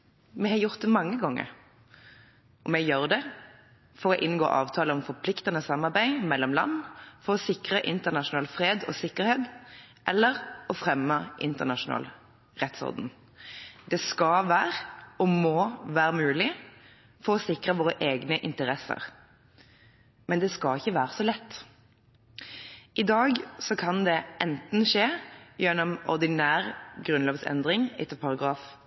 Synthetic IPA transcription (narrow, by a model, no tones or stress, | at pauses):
mɛhɑjʊʁt̪̚d̪ɛmɑŋːəɡɔŋːə̰ɾ | ʔɔmɛjøːʁd̪ɛ | fɔʁɔʔɪnɡo̰ːʔɑ̰ːʋt̪ʰɑːləɔmfɔɾpʰlɪkt̪ənəsɑmːɑɾbæɪmɛlːɔmlɑ̰nːfɔʁɔsɪkʁəʔɪnt̪ənɑʃʊnɑːlfʁeːd̪ɔ̰sɪkːəɾheːd̪ | ʔɛlːəʁɔfʁɛmːəʔɪ̰nt̪əʁnɑʂʊnɑ̰ːl | ʁɛt̪sɔ̰ɾd̪n | d̪ɛskɑʋæːʁɔmoʋæːʁəmʉːlɪ | fɔʁɔsɪkʁəʋoːʁəʔeːɡnəʔɪnt̪əʁɛsə̰ʁ | mɛnd̪ɛskɑɪçəʋæːʁəsɔlɛt̪ː | ʔɪd̪ɑːɡsɔkʰɑnd̪ɛʔɛnt̪n̩ʃeːjɛnːɔmɔ̰ʁd̪ɪnæːʁɡʁʉnloːʋsɛ̰nd̪ʁɪŋɛt̪ːəpʰɑʁɑɡʁɑːf